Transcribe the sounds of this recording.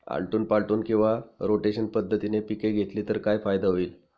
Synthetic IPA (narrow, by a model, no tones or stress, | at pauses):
a̰ɭʈuːnpaɭʈuːnkĩw̃ʋaɾoʈeɕənpəd̪ʱːət̪inepikeɡʱet̪liːt̪əɾkajfajd̪aɦoiːl